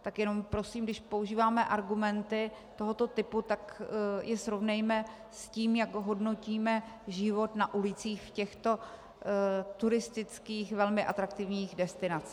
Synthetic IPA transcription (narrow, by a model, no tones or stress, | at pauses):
t̪akjɛno̞mpɾo̞siːmɡdɪʃpo̞uʒiːvaːmɛʔaɾɡumɛnt̪ɪ | t̪o̞ɦo̞t̪o̞t̪ɪput̪akjʔɛsɾo̞vnɛjmɛ | sciːmjaɡɦo̞dno̞ciːmɛ | ʒɪvo̞t̪naʔulɪt͡siːxfcɛxt̪o̞ | t̪uɾɪst̪ɪt͡skiːxvɛlmɪʔat̪ɾak̚t̪ɪvɲiːxɣdɛst̪ɪnat͡s